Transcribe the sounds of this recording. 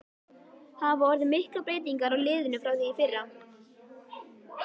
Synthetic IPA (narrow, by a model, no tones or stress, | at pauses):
havɔɾðʏmɪhklapɾeːjt̪̬iŋkaɾawlɪːðʏnʏfɾawθijifɪrːa